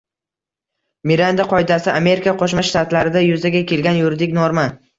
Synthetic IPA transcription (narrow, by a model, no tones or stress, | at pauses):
miɾand̪aqʰɒjd̪asɪame̞ɾɪkaqʰoʃ̬maʃt̪at̪laɾɪd̪ajʊzaɡʲakʲʰe̞lɡʲanjʊɾd̪ɪkʲnɒɾma